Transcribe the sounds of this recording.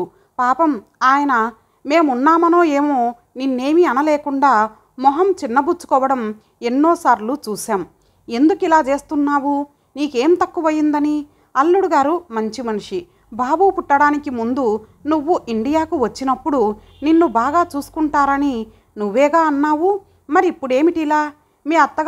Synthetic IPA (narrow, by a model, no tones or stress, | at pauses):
paːpɐm | aːjɐnɐ | me̞ːmunːaːmɐno̞ːeːmo̞ː | ninːe̞ːmiɐnɐleːkuɳɖaː | mɔɦɐmt͡ʃinːɐbut͡ʃːu̥kɔːʋɐɽɐm | e̞nːoːsaːɾlut͡ʃuːʃaːm | e̞nd̪ukuilaːt͡ʃe̞ːst̪unːaːʋu | niːkeːmt̪ɐkːuʋɐjːind̪ɐni | ɐlːuɽuɡaːɾumɐɲt͡ʃimɐnuʂi | baːbuːpuʈːɐɽaːnikimund̪u | nuʋːuʔiɳɖijaːkuʋɐt͡ʃːinɐpːuɽu | ninːubaːɡaːt͡ʃuːsu̥kuɳʈaːɾɐni | nuʋːɛːɡaːɐnːaːʋu | mɐɾiːpːuɽe̞ːmiʈilaː | meːɐt̪ːɐɡ